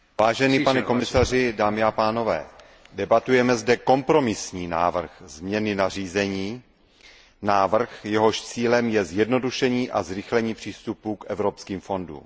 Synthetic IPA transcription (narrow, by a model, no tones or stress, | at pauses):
vaːʒɛniːpanɛko̞mɪsar̝ɪdaːmɪapaːno̞vɛ̰ː | dɛbat̪ujɛmɛzdɛko̞mpɾo̞mɪsɲiːna̰ːvr̩xzmɲɛnɪnar̝iːzɛɲiː | naːvr̩xjɛɦo̞ʃt͡siːlɛmjɛzjɛdno̞duʃɛɲiːʔazɾɪxlɛɲiːpr̝̥iːst̪upukʔɛvɾo̞pskiːmfo̞ndṵːm